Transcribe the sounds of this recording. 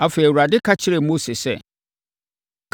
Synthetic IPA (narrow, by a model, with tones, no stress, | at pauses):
a˨fe˨i˨wu˨ɾa˨dɪ˦kʰa˦t͡ɕʰɪ˦ɾe˨mo˦se˨sɛ̰˨ | kʰ